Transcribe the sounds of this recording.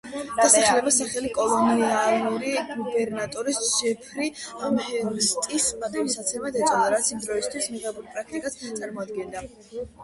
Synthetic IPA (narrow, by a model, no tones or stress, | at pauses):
d̪̥asaχlɛbasaχɛlikʼɔlˠɔnialuɾiɡubɛɾnat̪ʼɔɾisʒ̥ɛpʰɾiamhɛst̪ʼismat̪ʼamsat̪sʰɛmad̪ɛt̪sʼɔd̪aɾat̪sʰimd̪ɾɔist̪ʰwismiʁɛbuɾpʼɾak̚ʰt̪ʼikʼast̪sʼaɾmɔad̪ɡɛnd̪a